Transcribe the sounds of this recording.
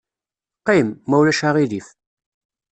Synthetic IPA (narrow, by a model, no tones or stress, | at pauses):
qːimːæwlæʃaʁilif